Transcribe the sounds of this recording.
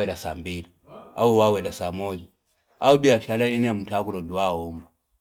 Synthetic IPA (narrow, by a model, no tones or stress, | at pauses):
ɛɾasambili | auwawɛdasamɔli | aubiaʃalainɛmutakulɔduwaɔmba